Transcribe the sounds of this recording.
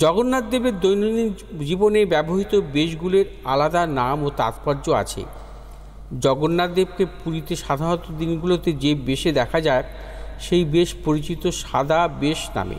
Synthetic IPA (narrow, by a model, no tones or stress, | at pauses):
d͡ʑɔɡonːad̪ːebeɾd̪ojnonid͡ʑibonebɛboɦit̪obeʃ̬ɡuleɾ | alad̪anamot̪a̰t̪paɾd͡ʑoa̰t͡ɕʰḛ | d͡ʑɔɡonːad̪ːeb̚kepuɾit̪eʃad̪ʱaɾɔt̪od̪inɡulot̪ed͡ʑebeʃed̪ɛkʰad͡ʑae | ʃejbeʃpoɾit͡ɕit̪oʃad̪abeʃna̰mḛ